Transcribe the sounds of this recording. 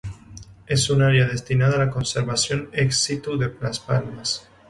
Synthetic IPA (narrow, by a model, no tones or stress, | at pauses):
e̞sunaɾjað̞e̞st̪inaðalako̞nseɾβasjo̞neksit̪uðe̞plaspalmas